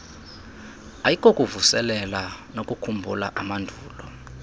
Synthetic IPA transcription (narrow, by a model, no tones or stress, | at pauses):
ajikʼokʼuvusɛlɛlanokʼukʰumbʱṵla̰ʔamandʱuːlɔ